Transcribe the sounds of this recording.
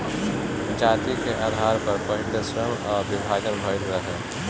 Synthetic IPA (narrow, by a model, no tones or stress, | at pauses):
d͡ʒaːt̪ikeʔaːd̪ʱaːɾpɐɾpəɦɪd̪əsɾəmɔːɾbɪbʱaːɡənbʱəɾɾəɦɛ